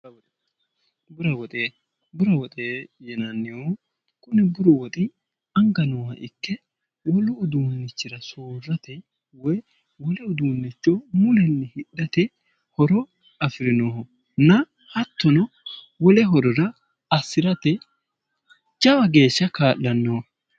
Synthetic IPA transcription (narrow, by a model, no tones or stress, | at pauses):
bʊɾɐwɔt̪ʼeː | bʊɾɐwɔt̪ʼeːjɛnɐnːɪjo | kʊnɛbʊɾɔwɔt̪ʼɪ | ɐŋɡɐnɔwɐʔɪkːɛ | wɔlʊʊd̪uːnːɪt͡ʃːɪɾɐsoːrːɐt̪ɛ | wɔj | wɔlɛʊd̪uːnːɪt͡ʃːomʊlɛnːɪhɪɗːɐt̪ɛ | hɔɾɔ | ɐfɪɾɪnoːhɔ | nɐ | hɐt̪ːɔnɔ | wɔlɛɦɔɾɔɾɐ | ɐsːɪɾɐt̪ɛ | d͡ʒɐwɐɡe̞ːʃːɐkaːʔːɐnːoː